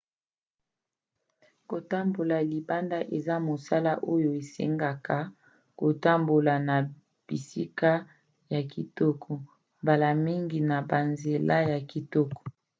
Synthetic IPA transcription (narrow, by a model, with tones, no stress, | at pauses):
ko˨ta˦mbo˨la˨li˨ba˦nda˦ʔe˨za˦mo˨sa˦la˦ʔo˦jo˨e˨sḛ˦ŋɡa˨kʰa˨ | ko˨ta˦mbo˨la˨na˨ | b̥ḭ˨si˦ka˦ | ja˨ki˨tɔ˦kʰɔ˨ | mba˨la˨mi˦ŋɡi˨na˨ba˨nze˨la˦ja˨ki˨tɔ˦kɔ̥˨